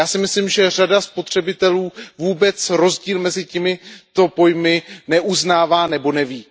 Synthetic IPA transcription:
jaːsɪmɪslimʒɛr̝adaspo̞t̪r̝̥ɛbɪt̪ɛluːvuːbɛt͡sɾo̞zɟiːlmɛzɪcɛmɪt̪o̞po̞jmɪnɛʔuznaːvaːnɛbo̞nɛviː

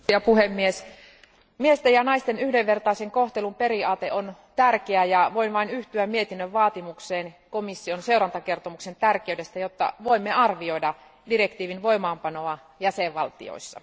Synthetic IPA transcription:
ɑpuhemːies | miest̪ejɑnɑist̪enyhdeʋːert̪ɑiseŋkoht̪elumperiɑːt̪eʔont̪ærkeæjɑʋoinʋɑinyht̪yæmmiet̪inːøʋʋɑːt̪imukseːnkomisːionseurɑnt̪ɑke̞rt̪omuksent̪ærkeydest̪æjot̪ːɑ̰ʋoimːeɑrʋioidɑ | direkt̪iːʋinʋoimɑːmpɑnoɑ | jæseʋʋɑlt̪ḭo̰isːɑ̰

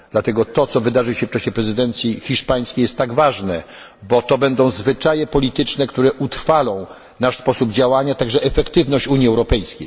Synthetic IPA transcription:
d̪lat̪ɛɡɔt̪ɔt̪sɔvɘd̪aʐɨwɕɛft͡ʂaɕɛpɾɛzɘd̪ɛnt̪sʲjixʲiʂpaj̃skʲejɛst̪ːaɡvaʐnɛ | bɔt̪ɔbɛnd̪ɔ̃w̃zvɘt͡ʂajɛpɔlʲit̪ɘt͡ʂnɛkt̪uɾɛʔut̪ɾfalɔ̃w̃ | naʂspɔsubd͡ʑawaɲat̪aɡʐɛʔɛfɛkt̪ɘvnɔɕt͡ɕuɲjiɛwɾɔpɛjskʲej

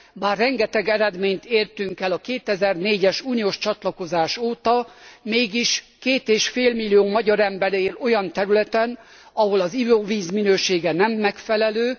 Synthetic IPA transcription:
baːrːɛŋɡɛt̪ɛɡɛɾɛd̪meːɲt̪eːrt̪yŋkɛlɒkeːt̪ɛzɛrneːɟɛʃuːnijoːʃt͡ʃɒt̪lɒko̞zaːʃoːt̪ɒmeːɡiʃ | keːt̪eːʃfeːlmilːijoːmɒɟɒɾɛmbɛɾeːlo̞jɒnt̪ɛɾylɛt̪ɛn | ɒɦo̞lɒzivoviːzminøːʃeːɡɛnɛmːɛkfɛlɛløː

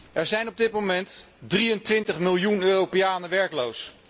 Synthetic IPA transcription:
ʔɛɹzɛjnɔb̚dɪt̚mowmɛnt | drijəntʋɪntəχmɪlˠjunøːrowpɪjaːnəʋɛɹklows

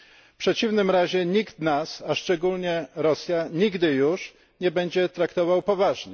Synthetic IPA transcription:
pʂɛt͡ɕivnɘmɾaʑɛɲikt̪nasaʂt͡ʂɛɡulɲɛɾɔsʲjaɲiɡd̪ɘjuʂ | ɲɛbɛɲd͡ʑɛt̪ɾakt̪ɔvawpɔvaʐɲɛ

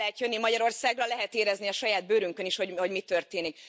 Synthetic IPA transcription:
ɛɛt̪jønːimɒɟɒɾo̞rsaːɡrɒlɛɦɛt̪eːɾɛzniɒʃɒjaːd̪̚bøːɾyŋkø̞niʃho̞ɟho̞ɟmit̪ø̞rt̪eːnik

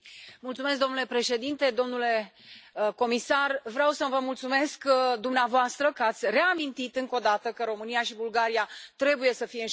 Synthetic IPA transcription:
mult̪sumes̬k̚d̪omnule̞pɾe̞ʃe̞d̪int̪e̞d̪o̞mnule̞ | ko̞misarvɾeawsəvəmult̪sume̞skd̪umneavoast̪ɾəkəat̪sʲre̞amint̪it̪ɨŋko̞d̪at̪əkəɾo̞mɨnijaʃibulɡaɾijat̪ɾe̞buje̞səfijeɨn

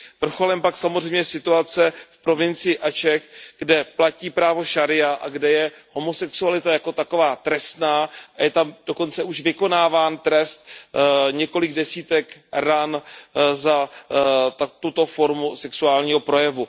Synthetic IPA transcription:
vr̩xo̞lɛmpaksamozrɛjmɲɛsɪt̪uat͡sɛfpɾo̞vɪnt͡sɪjɪʔat͡ʃɛxɡ̥dɛplaciːpɾaːvo̞ʃaɾɪjaʔa̰ɡdɛjɛ | ho̞mo̞sɛksualɪt̪ajako̞t̪ako̞vaːt̪ɾɛst̪naːʔajɛt̪amd̥o̞ko̞nt͡sɛuʒvɪko̞naːvaːnt̪ɾɛst̪̚ɲɛko̞lɪɡdɛsiːt̪ɛkɾanza | t̪at̪ut̪o̞fo̞ɾmusɛksuaːlɲiːɦo̞pɾo̞jɛvu

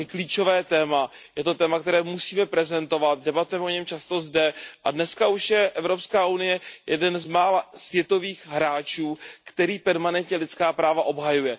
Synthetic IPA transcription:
kliːt͡ʃo̞vɛːt̪ɛːma | jɛt̪o̞t̪ɛːmak̚t̪ɛɾɛːmusiːmɛpɾɛzɛnt̪o̞vat̪̚dɛbat̪ujɛmɛʔoɲɛmt͡ʃast̪o̞zdɛʔadnɛskauʃjɛʔɛvɾo̞pskaːʔunɪjɛjɛ̰dɛnzmaːlasvjɛt̪o̞viːxɦɾaːt͡ʃuːkt̪ɛɾiːpɛɾmanɛnt̪ɲɛlɪt̪t͡skaːpɾaːvaʔo̞bɦajujɛ

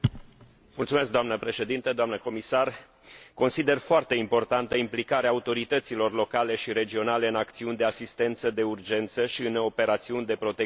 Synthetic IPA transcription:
mult̪sume̞sk̚d̪oamnəpɾe̞ʃe̞d̪int̪əd̪oamnəko̞misar | ko̞nsid̪e̞rfoart̪e̞impo̞rt̪ant̪əimplikaɾeaːut̪o̞ɾit̪ət̪silo̞rlo̞kale̞ʃiɾe̞d͡ʒio̞nale̞ɨnakt̪siunʲd̪e̞asist̪e̞nt̪səd̪e̞urd͡ʒe̞nt̪səʃiɨno̞pe̞ɾat̪siunʲd̪e̞pɾo̞t̪e

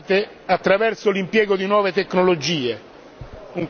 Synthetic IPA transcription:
t̪e | at̪ːɾavɛrsolimpjɛːɡod̪inwɔːvet̪ekːnolod͡ʒiːe | uŋ

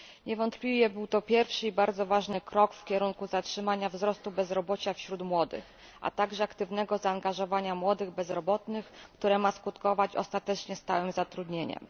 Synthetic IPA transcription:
ɲɛvɔnt̪pʲlʲivʲjɛbɘwt̪ɔpʲjɛɾfʂɘibaɾd̪zɔvaʐnɘkɾɔkfkʲɛɾuŋkuzatʂɘmaɲavzɾɔst̪ubɛzɾɔbɔt͡ɕafɕɾut̪mwɔd̪ɘ̰x | ʔa̰t̪aɡʐɛakt̪ɘvnɛɡɔzaːŋɡaʐɔvaɲamwɔd̪ɘɣbɛzɾɔbɔt̪nɘxkt̪uɾɛmaskut̪kɔvat͡ɕɔ̰st̪at̪ɛt͡ʂɲɛst̪awɘmzat̪ɾud̪ɲeɲɛ̰m

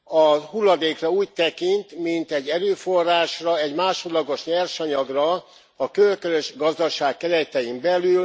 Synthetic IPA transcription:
ɒhulːɒd̪eːkrɒuːc̚t̪ɛkint̪mint̪ɛɟːɛɾøːfo̞rːaːʃrɒɛɟmaːʃod̪lɒɡo̞ʃɲɛrʃɒɲɒɡrɒ | ɒkølkøzøʃɡɒzd̪ɒʃaːkːɛɾɛjt̪ɛjimbɛlyl

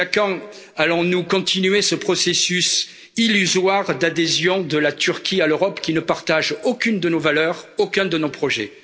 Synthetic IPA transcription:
akɑ̃ | alɔ̃nukɔ̃t̪inyɥesəpχɔsesys | ilyzwaʁd̪ad̪ezjɔ̃d̪əlat̪yʁkʲʰialøʁɔpkʲinəpaʁt̪aʒokʲynd̪ənovalœʁokʲɛ̃d̪ənopχɔʒɛ̰

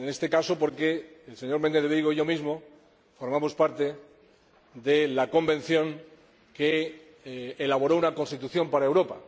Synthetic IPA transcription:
ene̞st̪e̞kaso̞po̞ɾke̞ːlse̞ɲo̞ɾme̞nd̪eðiɣoʝo̞mizmo̞ | foɾmamo̞spaɾt̪e̞ | d̪elako̞mbe̞n̟θjõ̞ŋ | keː | laβ̞o̞ɾo̞unakõ̞nst̪it̪uθjo̞mpaɾaewɾo̞pa

